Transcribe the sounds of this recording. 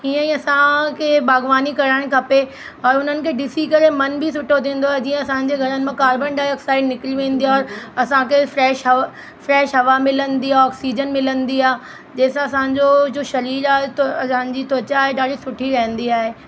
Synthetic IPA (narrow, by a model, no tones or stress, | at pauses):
ɦiːə̃ĩɐsãkʰeːbaːɡʋaːnikɐɾəɽ̃kʰɐpe | ɔːɾʊn̤ənɪ̆kʰeːɖɪsikɐɾemɐnbʱɪs̬ʊʈʰot̪ĩːnd̪oaːɦed͡ʑĩːə̃ɐsãːɲ̆d͡ʑeɡʱɐɾənɪ̆mãkaːɾbənɖaːɽəksaːɪɖnɪkliʋẽːn̆d̪iaɔːɾɐsãkʰefɾɛːʃɦɐ | fɾɛːʃɦɐʋamɪlənd̪iaɔːksiːd͡ʑənmɪlənd̪iaː | d͡ʑeːsãɐsãːɲd͡ʑod͡ʑoːʃɐɾiːɾaːɦet̪sãːɲd͡ʑit̪oːt͡ɕaɦeɗaːɽisʊʈʰiɾɐɦə̃n̆d̪iaːɦeː